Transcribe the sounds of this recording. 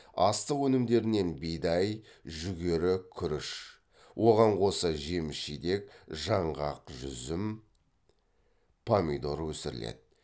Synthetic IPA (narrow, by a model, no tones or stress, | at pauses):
ɑst̪əwɵnɪmd̪e̞ɾɪne̞nbejd̪ɑjʒʏɡʲe̞ɾɪkʲʰʏɾɪʃ | wʔo̞ʁɑɴqʰo̞səʒe̞mɪʃid̪e̞k̚ʒɑɴʁɑqʒʏ̰zɪm | pʰamʲijd̪oɾwɵsɪɾɪlḛd̪̥ɪ